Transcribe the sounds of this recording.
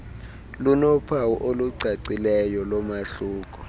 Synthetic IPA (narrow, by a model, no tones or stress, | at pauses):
lunɔpʰawuʔoluǀʱaǀilɛjɔlɔmaɬuːk̬ʼɔ